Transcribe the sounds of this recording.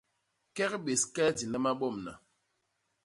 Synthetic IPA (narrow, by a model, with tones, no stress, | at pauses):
kɛ˦kɓe˨skɛ˦ti˨na˦ma˦ɓɔ˦˨mna̰˨